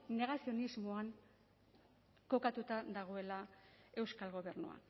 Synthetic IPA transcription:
ne̞ɣ̞asio̞nizmoaŋ | ko̞kat̪ut̪aðaɣ̞o̞e̞lae̞wskalɣo̞βe̞rnṵa̰n

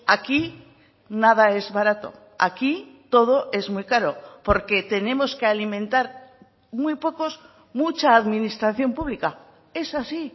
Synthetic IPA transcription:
aki | nað̞ae̞zβaɾat̪o̞̰ | a̰kit̪o̞ð̞o̞ʔe̞zmujkaɾo̞po̞ɾke̞t̪e̞nẽ̞mo̞ske̞alimẽ̞nt̪aɾ | mujpo̞ko̞z | mut͡ʃaːðmĩnist̪ɾaθjo̞mpuβlika | e̞sasi

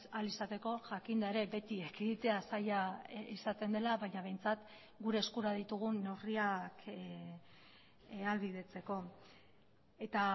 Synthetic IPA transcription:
alisat̪e̞ko̞ʝakind̪ae̞ɾe̞be̞t̪iekeðit̪e̞asajaisat̪e̞nd̪e̞laβajɲaβ̞e̞jnt͡sat̪ | ɡuɾe̞ːskuɾaðit̪uɣ̞une̞wriak | ealβið̞e̞t͡se̞ko̞ | e̞t̪a

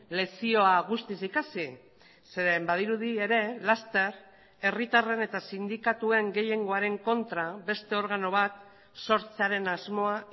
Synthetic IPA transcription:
le̞sio̞aɣ̞ust̪isikasi | seɾe̞mbað̞iɾuð̞ie̞ɾe̞last̪e̞ɾ | e̞rit̪are̞ne̞t̪asind̪ikat̪ue̞ŋɡe̞je̞ŋɡo̞aɾe̞ŋko̞nt̪ɾabe̞st̪e̞o̞ɾɣ̞ano̞β̞at̪ | so̞ɾt͡seaɾe̞nazmo̞a

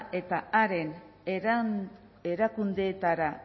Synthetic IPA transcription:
e̞t̪aaɾe̞n | e̞ɾakund̪e̞ːt̪aɾa

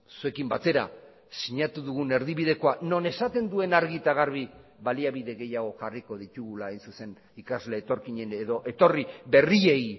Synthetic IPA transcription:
sue̞kimbat̪e̞ɾa̰ | siɲat̪uðuɣ̞une̞ɾðiβið̞e̞ko̞ano̞ne̞sat̪e̞nd̪ue̞naɾɣit̪aɣ̞aɾβ̞iβaliaβiðe̞ɣe̞jaɣo̞xariko̞ð̞it̪uɣulaːjnsuse̞n | ikazle̞ːt̪o̞ɾkiɲe̞ne̞ðo̞ʔe̞t̪o̞riβe̞rie̞j

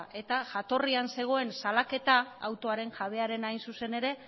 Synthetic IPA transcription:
ʔe̞t̪aʝat̪o̞rianse̞ɣ̞o̞e̞nsalake̞t̪a̰ːwt̪o̞aɾe̞ŋʝaβ̞e̞aɾe̞najnsuse̞ne̞ɾe̞

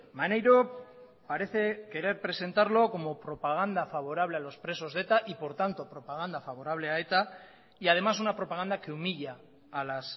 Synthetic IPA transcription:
manejɾo | paɾe̞θe̞ke̞ɾe̞ɾpɾe̞se̞nt̪aɾlo̞ko̞mo̞pɾo̞paɣ̞and̪afaβ̞o̞ɾaβ̞lealo̞spɾe̞so̞zðe̞t̪aʔipo̞ɾt̪ant̪o̞pɾo̞paɣ̞and̪afaβ̞o̞ɾaβle̞ae̞t̪a | iað̞e̞masunapɾo̞paɣand̪ake̞umiʎaː | las

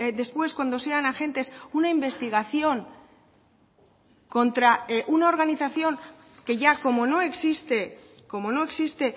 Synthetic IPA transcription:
ðe̞spwe̞skwand̪o̞se̞anaxe̞nt̪e̞sunaimbe̞st̪iɣ̞aθjo̞ŋ | ko̞nt̪ɾaeʔunao̞ɾɣ̞aniθaθjo̞ŋ | ke̞ʝako̞mo̞no̞e̞ksist̪e̞ko̞mo̞no̞e̞ksist̪e̞

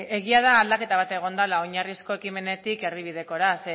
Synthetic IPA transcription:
e̞ɣiað̞aːld̪ake̞t̪aβ̞at̪e̞ɣ̞o̞nd̪alaoɲarisko̞e̞kime̞ne̞t̪ike̞riβið̞e̞ko̞ɾase

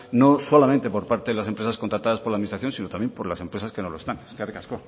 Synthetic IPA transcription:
no̞so̞lamẽnt̪e̞po̞ɾpaɾt̪eðelas̬empɾesaskont̪ɾat̪aðaspoɾlaðminist̪ɾaθjo̞nsino̞t̪amjempo̞ɾlase̞mpɾe̞saskenoloest̪anskaðekasko

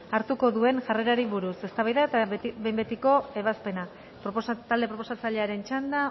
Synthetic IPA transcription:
aɾt̪uko̞ðue̞nʝare̞ɾaɾiβuɾuse̞st̪aβajðaet̪aβembe̞t̪iko̞e̞βaspe̞na | pt̪ald̪e̞pɾo̞po̞sat͡saʎe̞aɾe̞nt͡ʃand̪a

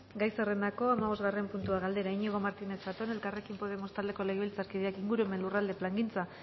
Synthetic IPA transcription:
ɡajsere̞nd̪ako̞amaβ̞o̞zɣare̞mpunt̪uaɣ̞ald̪e̞ɾaiɲeɣ̞o̞maɾt̪ine̞sbat̪o̞ne̞lkare̞kimpo̞ð̞e̞mo̞st̪ald̪e̞ko̞le̞ɣilt͡saɾkiðeakiŋɡuɾue̞me̞nlurald̪e̞plaŋɡint͡sa

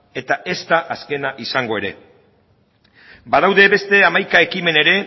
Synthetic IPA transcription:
e̞t̪aʔe̞st̪aʔaske̞naʔisaŋɡo̞e̞ɾe̞̰ | baðawðe̞βe̞st̪e̞amajkae̞kime̞ne̞ɾe̞

